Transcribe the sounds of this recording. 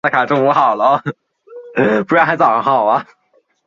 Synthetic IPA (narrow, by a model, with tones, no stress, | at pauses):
a˥˩kʰa˨˩ʈ͡ʂo˥˩ŋu˧˥xɑ˨˩ʊlə˦ | pu˧˥ɻxa˧˥ɪt͡sɑ˨˩˧ŋxɑ˨˩ʊɐ˦